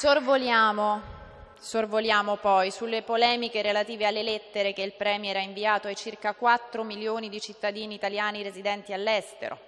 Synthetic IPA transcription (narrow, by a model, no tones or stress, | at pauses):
sorvoljaːmo | sorvoljaːmopɔjsulːepolɛːmikeɾelat̪iːvealːelɛt̪ːeɾek̟eilpɾɛːmjɛːɾaiɱviaːt̪oajt͡ʃirkakwat̪ːɾomiljoːnid̪it͡ʃit̪ːad̪iːniːt̪aljaːniɾezid̪ɛnt̪ialːɛst̪ḛɾo̰